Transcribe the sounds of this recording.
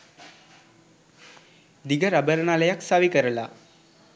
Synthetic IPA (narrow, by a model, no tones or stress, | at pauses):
d̪iɡəɾabəɾənaːləjaksaʋikəɾəla